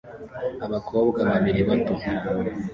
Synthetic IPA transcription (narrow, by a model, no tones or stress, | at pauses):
aβakʰoːbɡaβaβiɾiβato